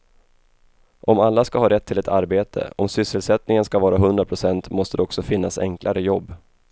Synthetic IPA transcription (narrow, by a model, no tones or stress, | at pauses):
ʔɔmalːaskaɦɑːɾɛt̪ʰːɪlɛt̪ʰaɾbeːt̪ʰə̰ɔmsʏsːəlsɛt̪nɪŋənskavɑːɾaɦɵnd̪ɾapʰɾʊsɛnt̪mɔst̪əd̪ɛɔksɔfɪnːasɛ̰ŋklaɾəjɔbː